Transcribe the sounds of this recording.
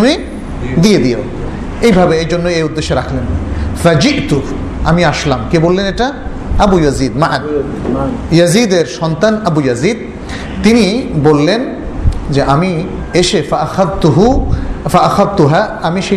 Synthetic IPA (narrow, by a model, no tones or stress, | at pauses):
me | d̪ijed̪ijo | ejbʱabeejd͡ʑonːoejud̪ːeʃːeɾakʰlenfad͡ʑiʔt̪u | a̰miaʃlamkebolːeneʈa | abujazid̪maʔa | jazid̪eɾʃɔnt̪anabujazid̪̚ | t̪inibolːen | d͡ʑeʔami | eʃefaaxaðt̪uɦufaʔaxaðt̪uɦaamiʃe